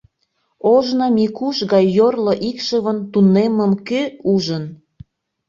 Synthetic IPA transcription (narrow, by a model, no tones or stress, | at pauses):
oʒnɑmikuʃɣɑjːorloʔikʃəβənt̪uneməmkøuʒən